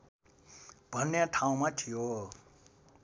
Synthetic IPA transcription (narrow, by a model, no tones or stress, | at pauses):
b̥ʱʌnːjaʈʰaũmatʰijo